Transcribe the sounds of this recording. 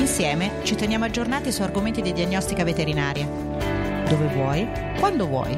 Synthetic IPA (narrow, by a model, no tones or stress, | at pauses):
insjɛːmet͡ʃit̪enjaːmoad͡ʒːornaːt̪isuarɡoment̪id̪id̪iaɲːɔst̪ikavet̪eɾinaːɾja | d̪ovevwɔj | kwand̪ovwɔ̰j